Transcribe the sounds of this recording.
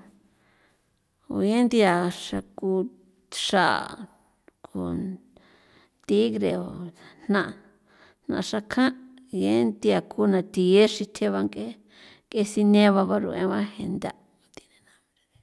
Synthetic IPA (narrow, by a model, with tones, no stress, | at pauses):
o̰˨je˦nd̪i˧a˨ʂa˧ku˧ | ʂa̰˦˨ | kʰo˧˨ | t̪i˦ɣɾe˨o˨n̥nã˦˧ʔ | n̥nã̰˧ʔʂa˧kʰã˦ʔ | je˦nd̪i˧a˨kʰu˧˦nã˨t̪i˨je˦ʃi˧t̪ʰe˦βa˧ŋke˦ | ke˧si˧nẽ˦βa˧βa˧ɾṵ˧˨ʔḛ̃˧βã˦he˧nd̪a˧˨ | ko˧t̪i̥˧nẽ˧nã˧βɾe˧ɾe˧